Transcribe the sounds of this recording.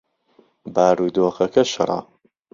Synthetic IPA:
baːɾuːd̪oːxɐkʰɐʃɨ̰ɾˤɑ̰

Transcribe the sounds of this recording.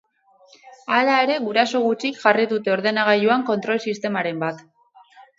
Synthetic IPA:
alaeɾe̞ɣuɾaso̞ɣ̞ut͡ʃikʝariðut̪e̞o̞ɾðe̞naɣ̞aʎuaŋko̞nt̪ɾo̞lsist̪e̞maɾe̞mbat̪

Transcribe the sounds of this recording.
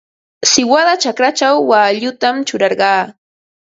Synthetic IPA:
sɪwaðat͡ʃakɾat͡ʃawːaːʎʊt̪amt͡ʃʊɾɑɾɢɑː

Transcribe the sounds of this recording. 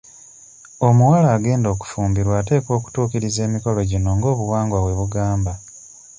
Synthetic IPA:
o̞muwalaːɡe̞ːndo̞ːku̥fuːmbiɾwaːte̞ːkwo̞ːku̥tuːkiɾize̞ːmiko̞lo̞ɟino̞ŋɡo̞ːβuwaːŋɡwaβwe̞βuɡaːmba

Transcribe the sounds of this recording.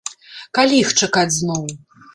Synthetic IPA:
kalʲixt͡ʂakad͡zʲznɔw

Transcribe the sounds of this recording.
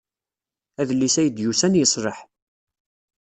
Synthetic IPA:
æðəlːisæjəd̪jusænjəsˤɾəħ

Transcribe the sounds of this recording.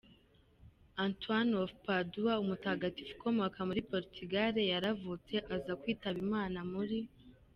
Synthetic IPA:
antwanofpaduwaumutaɡati̥fu̥ko̞mo̞kamuɾipo̞ɾitʰiɡaɾejaɾavut͡se̞ʔazakwiːtaβimaːnamuɾi

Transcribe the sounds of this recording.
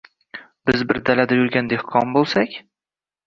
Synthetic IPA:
b̥ɪzbɪɾd̪alad̪ajʊɾɡʲand̪ehqʰɒnbolˠsakʲ

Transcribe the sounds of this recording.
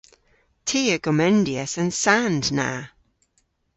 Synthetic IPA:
tʰiːəɡ̥ɔmɛ̃ndiə̰sə̃nsandna̰

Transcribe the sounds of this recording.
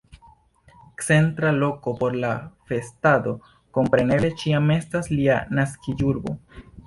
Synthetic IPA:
kt͡se̞ntɾalo̞ko̞po̞ɾlafe̞stado̞ | ko̞mpɾe̞ne̞blet͡ʃiame̞staslianaskid͡ʒuɾbo̞̰

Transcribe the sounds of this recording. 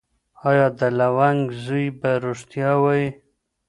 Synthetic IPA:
ɑjɑd̪əlawaŋɡzujbaɾoʂt̪jɑwai

